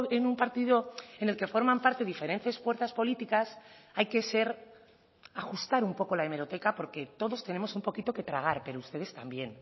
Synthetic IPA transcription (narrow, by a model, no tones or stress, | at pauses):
enumpaɾt̪iðoe̞ne̞lke̞fo̞ɾmãmpaɾt̪e̞ðife̞ɾe̞nθe̞sfwe̞ɾθaspo̞lit̪ikas | ajke̞se̞ɾ | axust̪aɾumpo̞ko̞laeme̞ɾo̞t̪e̞kapo̞ɾke̞t̪o̞ðo̞st̪e̞ne̞mo̞sumpo̞kit̪o̞ke̞t̪ɾaɣ̞aɾpe̞ɾoust̪e̞ðe̞st̪ambje̞n